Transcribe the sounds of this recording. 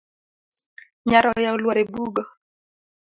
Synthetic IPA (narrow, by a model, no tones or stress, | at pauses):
ɲaɾɔjaɔlwaɾɛbuɡɔ